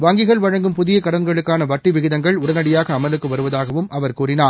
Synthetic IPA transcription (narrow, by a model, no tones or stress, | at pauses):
ʋaːŋɡɪɣɐɭʋɐɻɐŋɡɯmpʊðɪjɐkɐɽɐŋɡɐɭɯkːaːnɐʋɐʈːɪʋɪɣɪðɐŋɡɐɭʊɽɐnɐɽɪjaːɣɐːmɐlɯkːɯʋɐɾɯʋɐðaːɣɐʋɯmɐʋɐɾkuːrɪnaː